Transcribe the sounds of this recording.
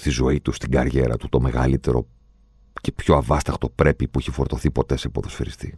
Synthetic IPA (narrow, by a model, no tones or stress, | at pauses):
st̪izo̞it̪ust̪iɡɐɾʝe̞ɾɐ̰t̪u̥t̪o̞me̞ɣɐ̰lit̪e̞ɾo̞̰ | ce̞pço̞ɐvɐst̪ɐkt̪o̞pɾe̞pipuiçifo̞ɾt̪o̞θipo̞t̪e̞sepoðo̞sfeɾist̪ḭ